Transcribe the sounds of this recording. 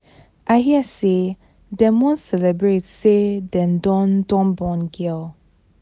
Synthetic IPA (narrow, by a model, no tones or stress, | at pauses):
ʔaɪɦiase | dɛ̃mɔ̃nsɛlɛbɹetsedɛ̃ndɔ̃ndɔ̃nbɔ̃nɡɛlˠ